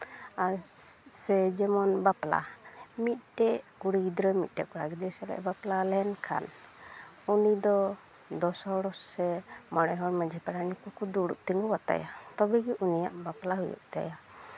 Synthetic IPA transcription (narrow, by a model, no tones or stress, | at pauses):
asɛd͡ʒɛmɔnbapla̰mit̪̚ˀʈɛʔkuɽiɡid̪ɾɔmit̪̚ˀʈɛkɔɾaɡɛd̪isɛlɛ̰ʔbaplalɛnkʰa̰n | unid̪ɔ | d̪ɔsɔɽɔːɛmɔɽ̃ɛɦɔɾməd͡ʒʱipaɽanikukʰud̪uɽṵʔt̪iŋɡɔwat̪a̰jat̪ɔbɛɡɛʔunijaʔbaplaɦujṵʔt̪a̰ja